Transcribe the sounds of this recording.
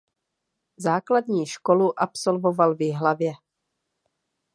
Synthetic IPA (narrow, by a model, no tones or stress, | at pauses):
zaːkladɲiːʃko̞luʔapso̞lvo̞valvɪɦlavjɛ